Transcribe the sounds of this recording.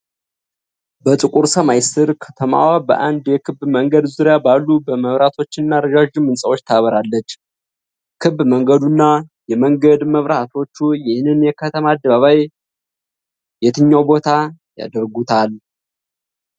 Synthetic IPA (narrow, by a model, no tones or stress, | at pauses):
bət̪ʼɨkʼuɾsəmajsɨɾkʰə̥t̪ʰəma̰wabə̰ʔand̪jɛkʰɨβməŋɡəd̪zuɾijabalːubəməβɾat̪ʰo̞t͡ʃːɪnːaɾəd͡ʒaʒumɨnsʼəwot͡ʃːt̪ʰaβəɾalːət͡ʃː | kʰɨβməŋɡəd̪unːajɛməŋɡəd̪məβɾat̪ʰo̞t͡ʃːujɪhnɨnjɛkʰət̪ʰəmaːd̪ːəβaβaj | jɛt̪ʰɨɲːawbo̞t̪ʰaja̰d̪əɾɡut̪ʰal